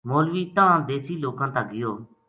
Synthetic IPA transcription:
moːlʋiːt̪ããːd̪eːsiːloːkãːt̪aːɡɪjoː

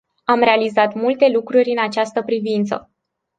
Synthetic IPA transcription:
amɾe̞alizat̪mult̪e̞lukɾurʲɨnat͡ʃast̪əpɾivint̪sə̰

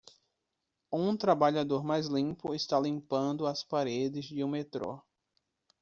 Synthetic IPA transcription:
ũt̪ɾabaʎad̪oɾmajzlĩpʊɪst̪alĩmpɐ̃nd̪ʊɐspaɾed̪ɪzd͡ʒɪũmet̪ɾo̰

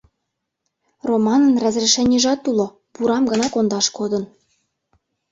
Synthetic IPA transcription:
romɑnənrɑzreʃenʲiʒɑt̪ːulo | puɾɑmɡɤ̆nɑkond̪ɑʃkod̪ə̆n

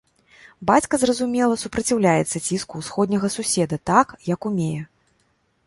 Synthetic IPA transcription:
bat͡sʲkɐzrɐzumʲɛlˠɐsupɾɐt͡sʲiwlʲajɛt̪sɐt͡sʲiskuwsxɔd̪ʲnʲɐɣɐsusʲɛd̪ɐt̪akjɐkumʲejɛ

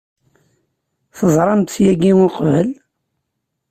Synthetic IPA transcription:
θəzˤɾˤɑmt̪θjæɡiʊqvəl

